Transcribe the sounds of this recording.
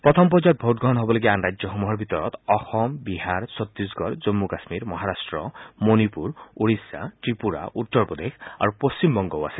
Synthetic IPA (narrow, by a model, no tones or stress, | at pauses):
pɾɔt̪ʰɔmpɔd͡ʒɔt̪̚bʱowʈɡɾɔɦɔnɔɦobɔlɔɡianɾajd͡ʒɔxomuɦɔɾbʱit̪ɔɾɔ̰t̪ɔxɔmbiɦaɾsɔt̪ːusɡɔɾd͡ʒɔmːukasmiɾmɔɦaɾasʈɾɔmonipuɾuɽisa̰ʈɾipuɾa̰ʔut̪ːɔɾpɔd̪ekʰa̰ɾupost͡ɕimbɔŋɡɔwa̰se